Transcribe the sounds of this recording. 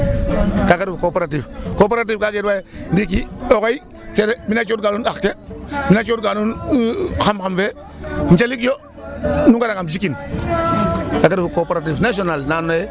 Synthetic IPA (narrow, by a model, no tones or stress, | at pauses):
kaɡaɾfukopeɾat̬ivkop̬eɾat̬ivkaɡedbajendik̬iokai | keɾeminat͡ʃod̚ɡanunakkeminat͡ʃodɡanun | xamxamfe | m̩t͡ʃalikjo | nuŋɡaɾaŋamd͡ʒikin | kaɡaɾfukopeɾat̬ivnasonalnanoje